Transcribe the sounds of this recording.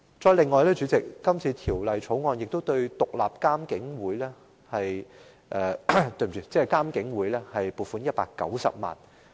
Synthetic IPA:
t͡sɔː˧jlɪ˨ŋːɔː˨˧jlɛː˥t͡ʃyː˨˥t͡sɪ˨k̚ːɐ˥mt͡sʰiː˧t̪ʰiː˨˩wlɐ˨jt͡sʰo˨˥wŋɔː˧njɪ˨k̚t̪o˥wt̪ɵ˧ɥt̪ʊ˨k̚la̰ː˨p̚kaː˥mkɪ˨˥ŋwuː˨˥jlɛː˥ | hɐ˨j | ʔɛː˨˩t̪ɵ˧jm˨˩yː˧t͡sɛː˥˨kaː˥mkɪ˨˥ŋwuː˨˥jlɛː˥hɐ˨jpuː˨˩fuː˨˥njɐ˥t̚paː˧kːɐ̰˨˥wsɐ̰˨p̚ma̰ː˨˩n

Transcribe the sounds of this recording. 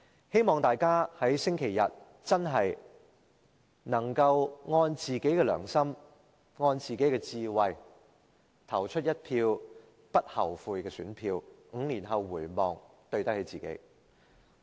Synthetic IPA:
he˥jmɔː˨˩ŋt̪aː˨jkaː˥hɐ˨˥jsɪ˥ŋkʰe˨˩jːɐ̰˨t̚ | t͡sɐ˥nɦɐ˨j | nɐ˨˩ŋkɐ˧wŋɔː˧nt͡siː˨ke˨˥jkɛː˧lœ̰ː˨˩ŋsɐ˥m | ŋɔː˧nt͡siː˨ke˨˥jkɛː˧t͡siː˧wɐ˨j | t̪ʰɐ˨˩wt͡ʃʰɵ˥t̚jɐ˥t̚pʰiː˧w | pɐ˥t̚hɐ˨˩wfuː˧jkɛː˧syː˨˥npʰiː˧wŋ̩˨˧liː˨˩nɦɐ˨wːuː˨˩jmɔː˨ŋ | t̪ɵ˧ɥt̪ɐ˥k̚he˨˥jt͡siː˨kḛ˨˥j

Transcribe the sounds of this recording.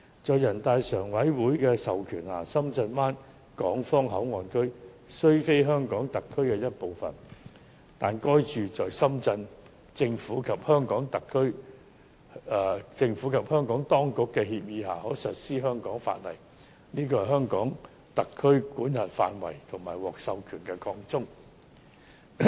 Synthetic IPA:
t͡sɔː˨˧jɐ˨˩nt̪aː˧jsœː˨˩ŋwɐ˨˥jwuː˨˥jkɛː˧sɐ˨wkʰyː˨˩naː˨˩sɐ˥mt͡sɐ˧nmaː˥n | kɔː˨˥ŋfɔː˥ŋɦɐ˨˥wŋɔː˨nkʰɵ˥ɥ | sɵ˥ɥfe˥jɦœː˥ŋkɔː˨˥ŋt̪ɐ˨kʰːɵ˥ɥkɛː˧jɐ˥t̚po˨˧wfɐ̰˨˩n | t̪aː˨nkɔː˥jt͡ʃyː˨t͡sɔː˨jsɐ˥mt͡sɐ˧n | t͡sɪ˧ŋfuː˨˥kʰɐ˨p̚hœː˥ŋkɔː˨˥ŋt̪ɐ˨kʰːɵ˥ɥ | t͡sɪ˧ŋfuː˨˥kʰɐ˨p̚hœː˥ŋkɔː˨˥ŋt̪ɔː˥ŋkʊ˨kːɛ˧hiː˧p̚jiː˨˧ɦaː˨˩hɔː˨˥sɵ˨t̚siː˥ɦœː˥ŋkɔː˨˥ŋfa̰ː˧t̚lɐ̰˨˩j | niː˥k̬ɔː˧hɐ˨ɦœː˥ŋkɔː˨˥ŋ | t̪ɐ˨kʰːɵ˥ɥkuː˨˥nhɐ˨nfa̰ː˧nwɐ̰˨˩jt̪ʰʊ˨˩ŋmaː˨˩jwɔː˨k̚sɐ˧wkʰyː˨˩nkɛ˧kʰɔː˧ŋt͡sʊ˥ŋ

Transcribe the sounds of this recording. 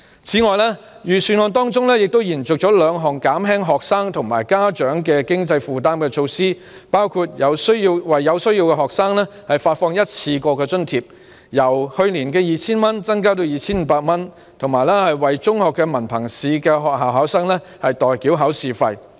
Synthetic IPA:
t͡sʰiː˨˥ŋɔː˨jlɛː˥ | jyː˨˩syː˨˧nŋɔː˧nt̪ɔː˥ŋt͡sʊ˥ŋlɛː˥jɪ˨k̚t̪o˥wjiː˨˩nt͡sʊ˨k̚t͡ʃɔː˨˥lœː˨˧ŋɦɔː˨˩ŋkaː˨˥mɦɛː˥ŋɦɔː˨k̚saː˥ŋt̪ʰʊ˨˩ŋmaː˨˩jkaː˥t͡ʃœː˨˥ŋkɛː˧kɪ˥ŋt͡sɐ˧jfuː˨t̪̬aː˥mkɛː˧t͡ʃʰo˧wsiː˥ | paː˥wkʰu˧t̚jɐ˨˧wsɵ˥ɥji˧wwɐ˨jːɐ˨˧wsɵ˥ɥjiː˧wkɛ˧ɦɔː˨k̚saː˥ŋlɛː˥hɐ˨jfaː˧t̚fɔː˧ŋjɐ˥t̚t͡sʰiː˧kɔː˧kɛː˧t͡ʃɵ˥nt̪ʰiː˨p̚ | jɐ˨˩whɵ˧ɥliː˨˩nkɛː˧jiː˨˧t͡sʰiː˥nmɐ˥nt͡sɐ˥ŋkaː˥t̪̬o˧wjiː˨t͡sʰiː˥nm̩ː˨˦paː˧t̚mɐ˥n | t̪ʰʊ˨˩ŋmaː˨˩jlɛ˥hɐ˨jwɐ˨jt͡sʊ˥ŋhɔː˨kːɛ˧mɐ˨˩npʰɐ˨˩ŋsiː˨˧kɛ˧ɦɔː˨k̚ɦaː˨wɦaː˨˥wsɐː˥ŋlɛ˥ | hɐ˨jt̪ɔː˨jkiː˨˥wɦɐː˨˥wsiː˨fɐ˧j

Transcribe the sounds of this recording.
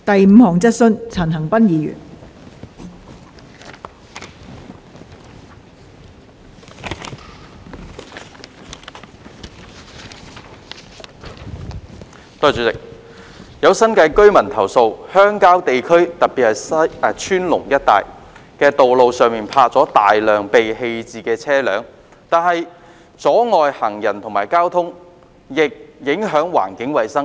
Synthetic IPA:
t̪ɐ˨jm̩˨˧hɔː˨˩ŋt͡sɐ˥t̚sɵ˥nt͡sʰɐ˨˩nɦɐ˨˩ŋpɐ˥njiː˨˧jy̰ː˨˩n | t̪ɔː˥˧˩t͡ʃyː˨˧t͡sɪ˨k̚ | jɐ˨˧wsɐ˥nkɐ˧jkɵ˥ɥmɐ˨˩nt̪ʰɐ˨˩wso˧whœː˥ŋkaː˥wt̪e˨jkʰɵ˥ɥt̪ɐ˨t̚piː˨t̚hɐ˨˩jst͡ʃʰyː˥nlʊ˨˩ŋjɐ˥t̚t̪a̰ː˨j | kɛː˧t̪o˨wlo˨˧wsœː˨ŋmiː˨npʰaː˧k̚t͡sɔː˨˥t̪aː˨jlœː˨ŋpe˨jhe˧jt͡siː˨kɛː˧t͡sʰɛː˥lœː˨˥ŋ | t̪aː˨˧nɦɐ˨j | t͡sɔː˨˥ŋɔː˨˧jhɐ˨˩ŋjɐ˨˩nt̪ʰʊ˨˩ŋmaː˨˩jkaː˥wt̪ʰʊ˥ŋ | jɪ˨k̚jɪ˨˥ŋɦœː˨˥ŋwa̰ː˨˩nkɪ˨˥ŋwɐ˨jsɐ˥ŋ

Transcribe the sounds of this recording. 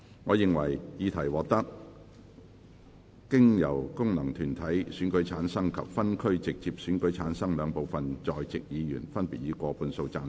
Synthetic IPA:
ŋɔː˨˧jɪ˨ŋwɐ̰˨˩jjiː˨˧t̪ʰɐ˨˩jwɔː˨k̚t̪ɐ˥k̚ | kɪ˥ŋjɐ˨˩wkʊ˥ŋnɐ˨˩ŋt̪ʰyː˨˩nt̪ʰɐ˨˥jsyː˨˥nkɵ˨˥ɥt͡sʰaː˨˥nsɐ˥ŋkʰɐ̰˨p̚fɐ˥nkʰɵ˥ɥt͡sɪ˨k̚t͡si˧p̚syː˨˥nkɵ˨˥ɥt͡sʰaː˨˥nsɐ˥ŋlœː˨˧ŋpo˨wfɐ˨nt͡sɔː˨jt͡sɪ˨k̚jiː˨˧jyː˨˩nfɐ˥npiː˨t̚jiː˨˧kʷɔː˧puː˧nso˧wt͡saː˧n

